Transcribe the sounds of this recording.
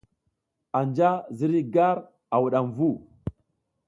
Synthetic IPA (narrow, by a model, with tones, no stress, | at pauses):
a˨nd͡ʒa˦zi˦ɾi˦ɡa˦ɾ | a˨wu˨ɗa˨mvu˦˨